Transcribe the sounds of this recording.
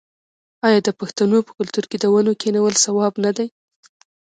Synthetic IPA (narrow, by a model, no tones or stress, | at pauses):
ɑjɑd̪əpaxt̪anopə̥kʊlt̪uɾked̪əwanokeniwəlsawɑbnad̪aj